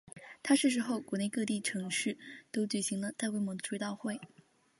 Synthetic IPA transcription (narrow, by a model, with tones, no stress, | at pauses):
t̪ʰa˥ʂɻ̩˥˩ʂ̬ɻ̩˧˥xo˥˩ʊkwɔ˧˥ne˥˧ɪkɤ˥˧t̪i˥˩ʈ͡ʂʰɤ˧˥ŋʂɻ̩˥˩t̪o˥ʊt͡ɕy˨˩ɕi˧˥ŋlə˧t̪a˥˧ɪkwe˥˩ɪmwɔ˧˥d̪ə˧˩ʈ͡ʂwe˥˧ɪt̪ɑ˥˧ʊxwe˥˩ɪ